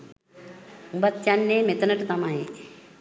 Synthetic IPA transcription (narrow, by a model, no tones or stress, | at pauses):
umbɐt̪janːeːmet̪ɐnəʈt̪ɐmae